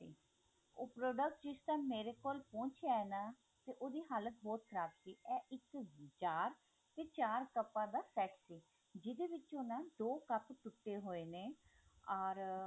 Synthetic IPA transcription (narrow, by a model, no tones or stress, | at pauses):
iː | oːpɾoːɖək̚ʈd͡ʒɪst̪ãːmeːɾeːkoːlpõːnt͡ʃʰaenãː | t̪eːʔoːd̪iːɦaːlət̪̚bɔːt̪̚kʰəɾaːbsiːʔɛːʔɪkt͡ʃaːɾ | t̪eːt͡ʃaːɾkəpːãːd̪aːsɛːʈsiː | d͡ʒɪd̪eːʋɪt͡ʃʊnãːd̪oːkəpt̪ʊʈːeːɦoːeːneːɔːɾ